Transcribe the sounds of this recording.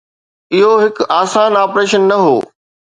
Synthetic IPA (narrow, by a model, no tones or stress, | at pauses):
ɪɦoɦɪkaːsaːnaːpɾeːʃənːɐɦo̰ː